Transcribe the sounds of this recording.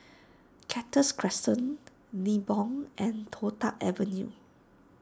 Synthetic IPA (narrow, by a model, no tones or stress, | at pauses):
kʰɛtəskʰɹɛstə̃nː | ibɔ̃ŋʔɛ̃ntʰotaʔɛvə̃njṵ